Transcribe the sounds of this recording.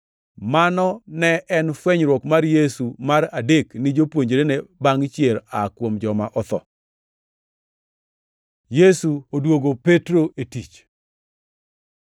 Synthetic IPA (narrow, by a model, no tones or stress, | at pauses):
manɔnɛɛnfweɲɾwɔkmarjesumaɾadeknɪd͡ʒopwoɲd͡ʒeɾenebaŋt͡ʃjeɾakwomd͡ʒɔmaʔɔt̪ɔ̰ | jesuodwoɡopetɾoʔetit͡ʃ